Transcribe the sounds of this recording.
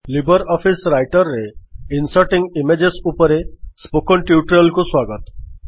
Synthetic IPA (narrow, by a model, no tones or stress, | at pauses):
libəɾɔpʰisɾajʈɔɾːeinsəɾʈiŋɡimed͡ʑesupɔɾespokɔɳʈiuʈɾɔlkuswaɡət̪